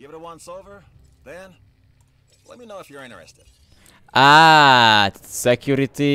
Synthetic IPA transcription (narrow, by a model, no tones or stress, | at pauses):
jvɨɾəwʌ̃nsoʊvə˞ | ðɨ̃n | lɛ̰t̚minoʊɨfjə˞ɪ̃ñə̰˞ɨ̰stɨd̥ | ʔa | sɛkʰjuɾiti